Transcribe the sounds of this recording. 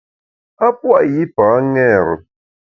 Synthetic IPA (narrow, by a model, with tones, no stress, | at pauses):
a˦pwa˦ʔji˦paː˨˦ŋɛ˦˨ɾə̰˨